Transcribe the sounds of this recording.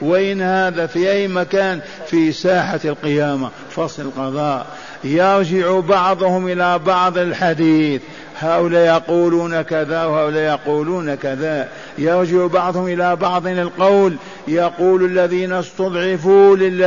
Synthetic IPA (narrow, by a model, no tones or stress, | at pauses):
wɪʔɪnhaːðafiʔajːmakaːn | fiːsaːħalqɪjaːma | fɑsˤlɪlqɑðˤɑːʔ | jɑɾˤd͡ʒɪʕubɑʕðˤʊhʊmʔɪlabɑʕðˤɪlħad̪iːθ | haːʔʊlaːʔjɑquːluːnakaðawhaːʔʊlaːʔjɑquːluːnakaða | jɑɾˤd͡ʒɪʕubɑʕðˤhʊmʔɪlabɑʕðˤnɪlqɑwl | jɑquːlalːaðiːnast̪ɑd̪ˤʕɪfulɪlː